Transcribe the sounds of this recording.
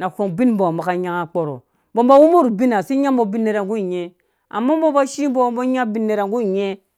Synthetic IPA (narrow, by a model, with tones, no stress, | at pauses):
na˨ko˨ŋbi˦nbo˨mba˨ka˨ɲa˦ŋa˨k͡po˨ɾo̰˨ | bo˦mba˦wu˦mo˦ɾu˨bi˦na˨si˦ɲa˦mbo˦bi˦nːe˨ɾa˨ŋɡu˦i˨ɲe˦ | a̰˨mːa˦bo˦ba˦ʃi˦bo˦bo˦ɲa˦bi˦nːe˨ɾa˨ŋɡu˦i˨ɲe˦